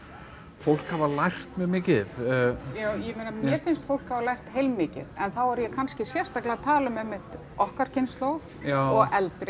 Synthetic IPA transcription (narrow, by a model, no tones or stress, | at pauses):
fowl̥khavalajr̥t̪mɛðmɪːcɪðjaːwjɛmenanɛfɪnst̪fowl̥khavalajr̥t̪hejlmɪːcɪ̰ðɛnθawɛɾjɛkʰanscɪsjɛr̥st̪aklɪat̪ʰaːlʏmɛhmːɪht̪ | ɔhkaɾ̥cʰɪnst̪lowv | ɔɣɛlt̪ɾɪ